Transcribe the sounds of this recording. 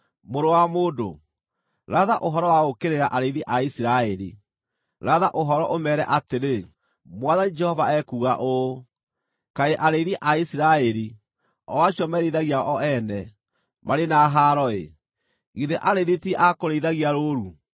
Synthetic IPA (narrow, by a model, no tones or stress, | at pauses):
moɾowamoːdo̰ | ɾaðaʔoɦɔɾɔwaokeɾeɾaʔaɾeiðiʔaisiɾaɛɾḭ | ɾaðaʔoɦɔɾɔʔomɛɾɛʔateɾe | mwaðanid͡ʒɛhɔvaɛkuːɣaʔo | kaeʔaɾeiðiʔaisiɾaɛɾi | ɔwaɕjɔmɛɾeiðaɣiaʔɔɛnɛ | maɾenaɦaɾɔḛ | ɣiðeʔaɾeiðitiɛʔakoɾeiðaɣiaɾoːɾu